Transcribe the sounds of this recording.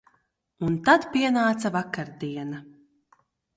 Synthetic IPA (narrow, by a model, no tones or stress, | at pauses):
unt̪ad̪piɛnaːt̪savakaɾd̪iɛna